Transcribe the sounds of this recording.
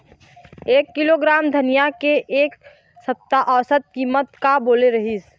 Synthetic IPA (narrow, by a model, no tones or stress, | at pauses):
eːkːiloɡɾaːmd̪ʱənijakeʔeːk | səp̚t̪aʔɔːsət̪̚kiːmət̪kaboːleɾəɦis